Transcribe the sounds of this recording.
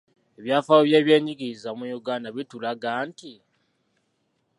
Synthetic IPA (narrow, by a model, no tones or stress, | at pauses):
eβjaːfawoβjeːβjeːɲiɡiizamujuɡaːndaβitulaɡaːnti